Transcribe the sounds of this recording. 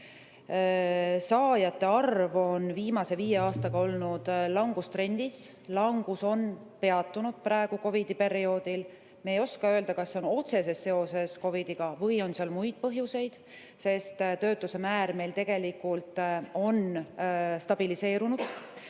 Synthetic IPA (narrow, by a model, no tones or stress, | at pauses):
sɑːjɑt̪ːe̞ɑrvo̞nviːmɑse̞viːje̞ɑːst̪ɑɡ̥ɑo̞lnud̪̥lɑŋɡ̥ust̪ɾe̞nʲd̪̥is | lɑŋɡ̥uso̞n | pe̞ɑt̪ːunud̪̥̚pɾɑeɡ̥uko̞vid̪̥ipe̞ɾio̞ːd̪̥il | meejo̞skɑø̞ːld̪ɑkɑsːeo̞no̞t̪se̞se̞sːe̞o̞se̞sko̞vid̪̥iɡ̥ɑvɤjo̞nseɑlmujd̪̥̚pɤɦjuse̞jd̪̥ | se̞st̪t̪ø̞ːt̪ːˑuse̞mæːɾme̞jlt̪e̞ɡ̥e̞likːˑult̪ˑo̞n | st̪ɑb̥ilise̞ːɾunud̪̥